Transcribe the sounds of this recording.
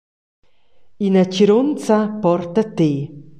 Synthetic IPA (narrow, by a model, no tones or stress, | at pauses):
inaciɾont͡sapɔrt̪at̪e